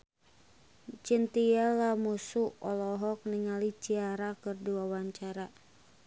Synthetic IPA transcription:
t͡ʃint̪iɛlamusuɔlɔɦɔk̚niŋalit͡ʃiaɾakɨrdiwawaɲt͡ʃaɾa

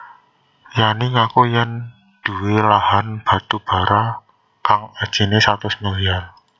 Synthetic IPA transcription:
janiŋakojan | d̪̥ṳwelahanb̥ä̤t̪ub̥a̤ɾa | kaŋad̥ʒ̥i̤nesat̪ʊsməlian

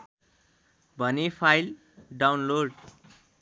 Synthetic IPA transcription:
bʱʌnipʰajl | ɖawnloɖ

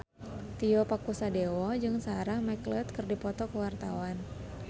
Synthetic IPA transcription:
t̪iɔpakusadewɔd͡ʒɨŋsaɾahmaklɛt̪kɨrdipɔt̪ɔkəwart̪awan

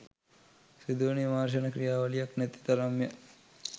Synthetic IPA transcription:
sid̪oːnijɐmaːɾʃ̬ɐnɐkɾijaːʋɐlijaknɛt̪i̥t̪ɐɾɐmjɐ

